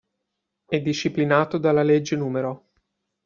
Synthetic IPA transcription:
ɛd̪ːiʃːiplinaːt̪od̪alːaled͡ʒːenuːmeɾo

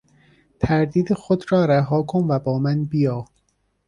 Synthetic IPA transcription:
t̪ʰæɾd̪iːd̪exod̪ɾɒːɾæɦɒːkʰonvæbɒːmænbijɒː

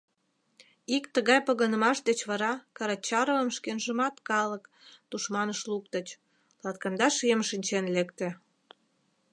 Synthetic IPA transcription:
ikt̪əɣɑjpəɣənə̆mɑʃd̪et͡ɕβɑɾɑkɑɾɑt͡ɕɑɾovəmʃkenʒəmɑt̪kɑlək | t̪uʃmɑnəʃluk̚t̪ət͡ɕ | lɑt̪kɑnd̪ɑʃijəmʃinʲt͡ɕenlekt̪ĕ

